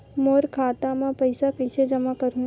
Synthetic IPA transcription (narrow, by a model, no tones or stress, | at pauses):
moːɾkʰaːt̪amãpɐɪsakɐɪsed͡ʒɐmakɐɾũ